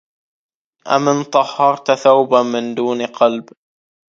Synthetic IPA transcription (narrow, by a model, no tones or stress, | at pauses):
ʔa̰mɪnt̪ˤɑhːɑɾˤt̪θawbamɪnd̪uːnqɑlb